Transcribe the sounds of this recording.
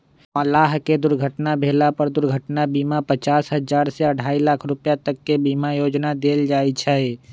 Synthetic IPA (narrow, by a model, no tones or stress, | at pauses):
əlaːɦked̪ʊɾɡʱəʈnabʱeːlapəɾd̪ʊɾɡʱəʈnabiːmapət͡ʃaːsɦəd͡ʒaːɾseəɖʱaːilaːkʰɾʊpjat̪əkːebiːmajoːd͡ʒnad̪eːld͡ʒaːit͡ʃʰɛe